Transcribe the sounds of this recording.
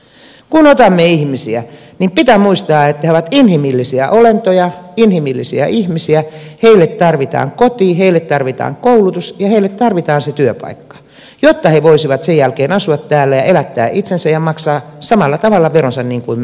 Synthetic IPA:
kunot̪ɑmːeihmisiæ | nimpit̪æmuist̪ɑːet̪ːæheoʋæt̪inhimilːisiæʔolent̪ojɑinhimilːisiæ̰ʔihmisiæheilːet̪t̪ɑrʋit̪ɑ̰ːŋkot̪iːheilːet̪t̪ɑrʋit̪ɑ̰ːŋkoulut̪usjɑheilːˑet̪t̪ɑrʋit̪ɑːnset̪yøpɑ̰ikːɑ̥ | jot̪ːɑheʋoisiʋɑt̪sejjælkeːnɑsuɑt̪t̪æːlːæjɑʔelæt̪ːæ̰ːʔit̪sensæjɑmɑksɑːsɑmɑlːɑt̪ɑʋɑlːɑʋeronsɑnniːŋkuim

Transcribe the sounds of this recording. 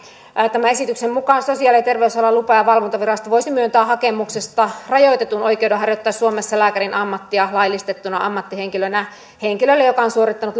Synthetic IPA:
t̪æmæesit̪yksemmukɑːnsosiɑːˑlit̪e̞rʋeysɑlɑlupɑjɑʋɑlʋont̪ɑʋirɑst̪ɑʋoisimyønt̪øæhɑkemuksest̪ɑrɑjoit̪et̪unojkeudɑɦɑrjot̪ːɑːsːuomesːɑlæːkærinʔɑmːɑt̪ːiɑlɑilist̪et̪ːunɑ̰ɑmːɑt̪ːiheŋkilønæ | heŋkilølːejokɑonsuorit̪ːɑnut̪

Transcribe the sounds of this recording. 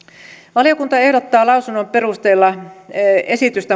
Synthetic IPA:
ʋɑlijokunt̪ɑe̞hdot̪ːɑːlɑusunːompe̞rust̪eːlːɑ | esit̪yst̪æ

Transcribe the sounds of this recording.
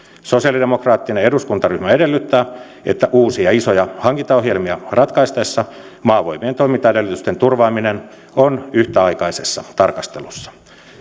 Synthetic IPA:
sosiɑlidemokrɑːt̪ːineeduskunt̪ɑryhmæedelːyt̪ːæː | ḛt̪ːæʔuːsiɑisojɑhɑŋkint̪ɑoɦjelmiɑrɑt̪kɑist̪ɑesːɑ | mɑːʋoimient̪oimint̪ːɑedelːyt̪yst̪ent̪urʋɑːminen | onyht̪æɑikɑisesːɑt̪ɑrkɑst̪elusːɑ̥

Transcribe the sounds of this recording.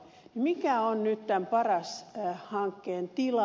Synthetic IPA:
nimikæonnyt̪t̪æmpɑrɑshɑŋkːeːnt̪ilɑ

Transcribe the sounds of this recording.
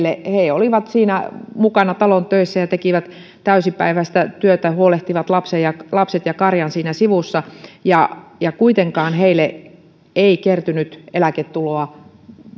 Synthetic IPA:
lːeheioliʋɑt̪siːnæmukɑnɑt̪ɑlont̪øisːæjɑt̪ekiʋæt̪ | t̪æysipæ̰iʋæst̪æt̪yøt̪æhuoleht̪iʋɑt̪lɑpsejɑlɑpset̪jɑkɑrjɑnsiːnæsiʋusːɑjɑjɑkuit̪eŋkɑːnheilːˑe | eikert̪ynyt̪elæket̪tuloɑ

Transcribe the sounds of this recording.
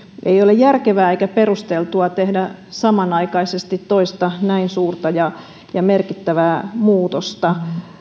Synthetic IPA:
ʔeiolejjærkeʋæːeikæperust̪elt̪uɑt̪ehdæ | sɑmɑnɑikɑisest̪it̪toist̪ɑnæinsuːrt̪ɑjɑ | jɑmerkit̪ːæʋæːmuːt̪ost̪ɑ

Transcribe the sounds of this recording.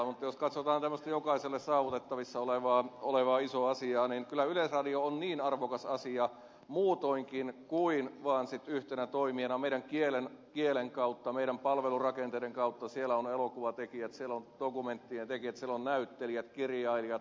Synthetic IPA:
mut̪ːɑjoskɑt̪sot̪ɑːnt̪æmːøst̪ɑjokɑiselːessɑːʋut̪et̪ːɑʋisːɑoleʋɑːoleʋɑːisoɑsiɑːninkylæylesrɑdioonniːnɑrʋokɑsɑsiɑ | muːt̪oiŋkinkuinʋɑːnsit̪yht̪enæt̪oimienɑmeiɾæŋkielenkieleŋkɑut̪ːɑmeiɾæmpɑlʋelurɑkent̪eiɾeŋkɑut̪ːɑsielæonelokuʋɑt̪ekijæt̪sielːond̪̥okument̪ːient̪ekiæt̪sielonnæyt̪ːeliæt̪kiriɑiliɑt̪

